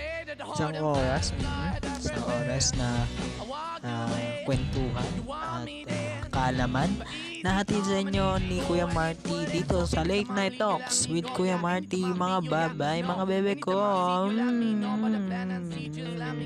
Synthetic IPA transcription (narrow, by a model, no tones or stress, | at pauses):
ʔɪsɐŋʔoːɾɐs̩ɪsɐŋʔoːɾɐsnɐ | ʔakwɛnt̪uːɦɐnʔɐt̪̚akɐɐlɐmanː | ɐɦɐt̪id̪̚sɐʔɪɲːo̞nikujamaɹt̪id̪iːt̪o̞sɐlɛjt̪̚najt̪okswɪd̪̚kujɐmaɹt̪imɐŋabaːbajmɐŋabɛːbɛko